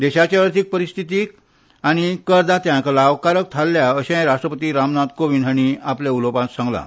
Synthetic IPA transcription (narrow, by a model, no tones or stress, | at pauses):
d̪eɕat͡ɕjaəɾt̪ʰiːk̚pəɾist̪ʰit̪iːk | aɽ̃ikəɾd̪at̪jãklaʋkaɾək̚t̪ʰalːjaəɕãjɾaʂʈɾəpət̪iːɾamnat̪koʋinɦəɽ̃iapleulopãt̪sãŋɡla̰